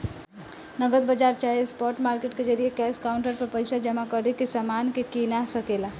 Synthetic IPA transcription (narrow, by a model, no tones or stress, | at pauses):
nəɡət̪̚bəd͡ʒaɾt͡ʃaɦiespɔɾʈmaɾkeʈked͡ʒəɾijekɛskauɳʈəɾpəɾpəɪsad͡ʒəmakəɾekesəmankekinasəkela